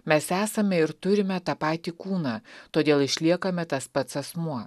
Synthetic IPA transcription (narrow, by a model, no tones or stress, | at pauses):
mʲɛsæːsɐmʲɛɪɾt̪ʊɾʲɪmʲɛt̪ɑːpɑːt̪ʲiːkuːnɑt̪oːd̪ʲeːlˠɪʃʲlʲiɛkɐmʲɛt̪ɐspɐt̪sɐsmuɔ